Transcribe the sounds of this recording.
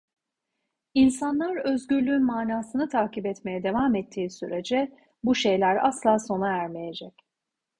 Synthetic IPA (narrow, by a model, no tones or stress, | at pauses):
insanlˠaɾøzɟyɾlʲyːnmaːnaːsɯnɯt̪ʰaːkibɛt̪me̞jɛd̪e̞vaːmɛt̪ʰːiːsyɾe̞d͡ʒɛ | buʃe̞jlʲæɾa̰slˠaːso̞naæɾmeje̞d͡ʒɛc